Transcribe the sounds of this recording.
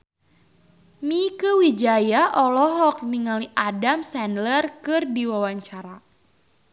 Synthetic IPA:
mikəwid͡ʒajaʔɔlɔɦɔk̚niŋaliʔadamsɛndlərkɨrdiwawaɲt͡ʃaɾa

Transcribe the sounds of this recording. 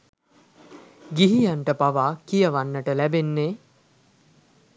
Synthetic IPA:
ɡiɦijanʈəpaʋaːkijəʋanːəʈəlæbenːeː

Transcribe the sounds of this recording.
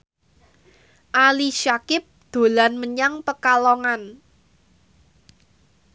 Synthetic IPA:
ʔaliʃakɪp̚d̪̥o̤lanməɲaŋpəkalɔŋan

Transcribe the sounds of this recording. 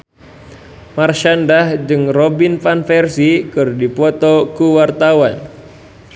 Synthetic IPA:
marʃandahd͡ʒɨŋrobinfanfɛrsikɨrdipɔt̪ɔkuwart̪awan

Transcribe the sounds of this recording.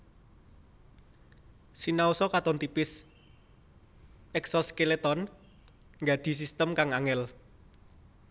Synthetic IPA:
sinausɔkat̪ɔnt̪ipɪs | ɛksɔskelet̪ɔn | ŋɡa̤ɖ̪̥i̤s̬ist̪əmkaŋaŋɛl

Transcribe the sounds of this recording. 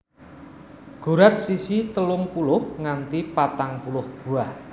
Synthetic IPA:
ɡ̥ṳɾat̪̚sisit̪əlʊŋpulʊhŋant̪ipat̪aŋpulʊhb̥ṳah

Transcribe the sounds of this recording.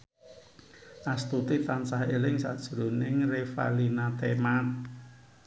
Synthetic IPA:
ʔast̪ut̪it̪ant͡ʃahelɪŋsa̰d̥ʒ̥ɾonɪŋrefa̰linat̪emat̪̚

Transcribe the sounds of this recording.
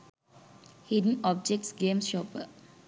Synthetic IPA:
hidə̃n̩ɔb̚d͡ʒɛk̚tsɡẽmsʃɔpə

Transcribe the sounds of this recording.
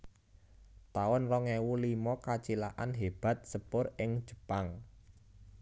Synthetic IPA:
t̪awʊnrɔŋɛwulimɔkat͡ʃilaʔanɦeb̥a̤t̪̚səpʊrɪŋ̥ʒ̥ə̤paŋ

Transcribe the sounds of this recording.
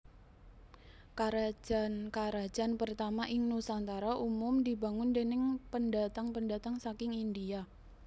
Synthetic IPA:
kaɾad͡ʒankaɾad̥d͡ʒ̥a̤npərt̪amaʔɪŋnusant̪aɾaʔumʊmdiba̤ŋʊndenɪŋpənda̤t̪aŋpəndat̪aŋsakɪŋindia

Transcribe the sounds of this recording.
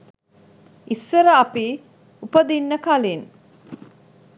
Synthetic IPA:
isːəɾəapi | upəd̪inːəkalin

